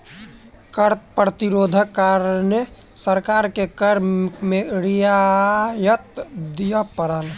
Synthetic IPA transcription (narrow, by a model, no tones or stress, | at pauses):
kəɾt̪pɾət̪iɾoːd̪ʱəkːaɾne | səɾkaɾkekəɾkmeɾijajət̪d̪ijəpəɾəl